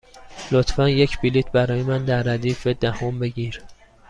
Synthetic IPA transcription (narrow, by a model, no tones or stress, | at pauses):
lot̪ʰfænjecʰbilit̪ʰbæɾɒːjemænd̪æɾːæd̪iːfe̞d̪æhombe̞ɟiːɾ